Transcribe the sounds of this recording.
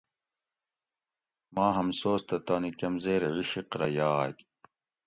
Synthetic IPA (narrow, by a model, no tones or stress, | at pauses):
maːɦɐmsoːst̪ɐt̪aːnikɐmzeːɾʕiɕiqɾɐjaːk